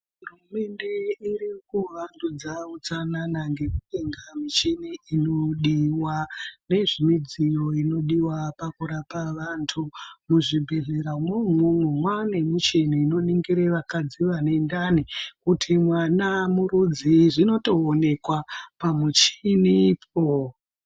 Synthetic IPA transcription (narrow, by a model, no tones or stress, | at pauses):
ɦɦurume̞ndeirikuʋandud͡zaut͡sananaŋɡe̞kuɗeŋɡamit͡ʃiniino̞ɗiwane̞ʐimid͡zijo̞ino̞ɗiwapakuɾapaʋantʰumuʐibʱe̞ɮe̞ɾamwemumwemwanemut͡ʃeniːno̞niŋɡiɾeʋakad͡ziʋane̞ndanikutʰimwanamuɾud͡ziʐino̞to̞ːne̞kwapamut͡ʃinip̚ʰo